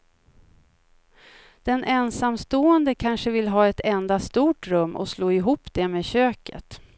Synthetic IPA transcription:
d̪̥ɛnʔɛnsamst̪oːənd̪əkʰanʂəvɪlːɦɑːɛt̪ʰɛnd̪ast̪uːʈɾɵmːʔɔ̰sloːɪɦuːpːd̪̥ɛmeːɕøːkə̰t̪

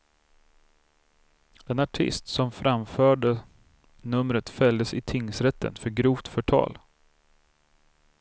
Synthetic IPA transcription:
ɛnaʈʰɪ̰st̪sɔmfɾamfœːɖə | nɵmɾət̪fɛld̪əsɪt̪ʰɪŋːsɾɛt̪ːə̰nfœɾɡɾuːft̪fœʈʰɑ̰ːl

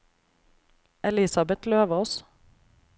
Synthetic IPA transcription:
ʔɛlɪsɑbɛt̪løːʋəɔs

